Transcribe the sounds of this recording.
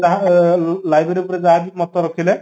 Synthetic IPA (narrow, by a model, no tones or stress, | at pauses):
aɦ | lajbeɾipɔɾed͡ʒaɦabimɔt̪ːɔɾɔkʰile